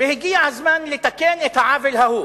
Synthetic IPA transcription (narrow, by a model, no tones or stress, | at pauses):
bɪhɡiːʕazmanlɪt̪akeːnʔɪt̪ʕaːvɪlhahuː